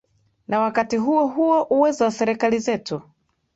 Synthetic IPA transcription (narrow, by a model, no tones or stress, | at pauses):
nawakatiɦuɔɦuɔʔuwɛzawasɛɾɛkalizɛtu